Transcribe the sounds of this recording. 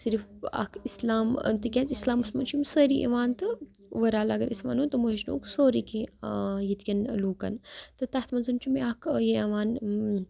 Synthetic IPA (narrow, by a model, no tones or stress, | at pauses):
siɾfɐ̰kislaːmt̪ɨkʲɐnt͡sislaːmɨsmɐnt͡ʃʰimsəːɾiʔɐ̰ʋaːnt̪ɨ | ʋɐɾaːlɐɡɐɾʔḭsʋa̰ːnut̪ɨmoɦeʃno̰ːksoːɾikʲejit̪kʲɐnluːkɐ̰nt̪ɨt̪ɐt̪mɐnzɐnt͡ʃʰumeakjeɐʋaːn